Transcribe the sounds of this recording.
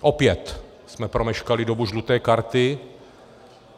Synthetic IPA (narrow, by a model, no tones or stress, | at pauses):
ʔopjɛt̪ | smɛpɾomɛʃkalɪdobuʒlut̪ɛːkaɾt̪ɪ